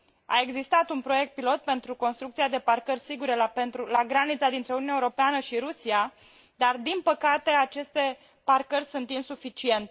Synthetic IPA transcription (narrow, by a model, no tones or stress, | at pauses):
a̰e̞ɡzist̪at̪unpɾo̞je̞k̚t̪̚pilo̞t̪̚pe̞nt̪ɾuko̞nst̪ɾuk̚t̪siad̪e̞parkərʲsiɡuɾe̞lapent̪ɾulaɡɾanit̪sad̪int̪ɾe̞ununaeuɾo̞peanəʃiɾusia | d̪ard̪inpəkat̪e̞at͡ʃe̞st̪e̞ | parkərʲsunt̪insufit͡ʃie̞nt̪